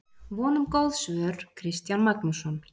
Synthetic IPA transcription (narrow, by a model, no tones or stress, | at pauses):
vɔːnʏmkɔlðsœɾ̥kʰɾɪst̪janmaknusɔn